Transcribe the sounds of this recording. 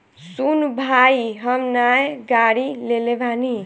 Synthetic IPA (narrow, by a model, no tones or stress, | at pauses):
sunbʱaiɦəmnajɡaɽilelebʱani